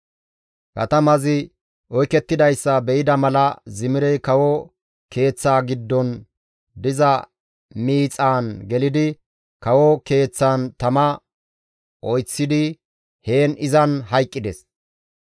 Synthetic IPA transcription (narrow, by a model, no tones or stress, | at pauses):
kɐ̰t̪ɐmɐzɪ | ʔɔjkɛt̪ːɪd̪ɐjsːɐbɛɪd̪ɐmɐlɐzɪmɪɾɛjkɐwɔ | ke̞ːt͡sːaːɡɪd̪ːɔn | d̪ɪzɐ | miːt͡sʼaːnɡɛlɪd̪ɪ | kɐwɔke̞ːt͡sːaːnt̪ɐmɐ | ʔɔjt͡sːɪd̪ɪ | he̞ːnɪzɐnɦɐjkʼːɪd̪ɛs